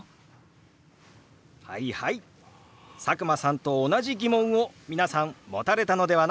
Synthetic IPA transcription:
ha̰ihai | sakɯ̟masãnt̪o̞ːnaʑiɡʲimõ̞ɰ̃o̞mʲinasãmmo̞̰t̪aɾe̞t̪ano̞d̪e̞βan

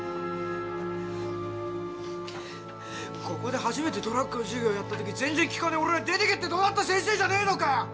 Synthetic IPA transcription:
kʰo̞ko̞d̪e̞ɦaʑime̞t̪e̞d̪o̞ɾakːɯnoʑɨɡʲo̞ːjat̪ːat̪o̞kʲizẽ̞nd͡zzẽ̞ŋkʲi̥kaneo̞ɾeɾad̪e̞t̪eket̪ːed̪o̞ːnat̪ːas̬ẽ̞ñs̬eːd͡ʑaneino̞ka

